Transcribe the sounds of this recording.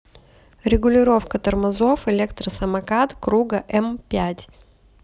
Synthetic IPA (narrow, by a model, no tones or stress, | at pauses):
ɾʲɪɡʊlʲɪɾo̞fkət̪ərmɐzo̞fɪlʲekt̪ɾəsəmɐkat̪kɾuɡəʔɛmpʲætʲ